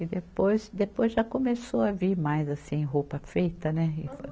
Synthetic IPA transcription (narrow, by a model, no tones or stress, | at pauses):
ɪd̪epojsd̪epojzʒakomesowɐviɾmajzasĩɦopɐfejt̪ɐnɛɪf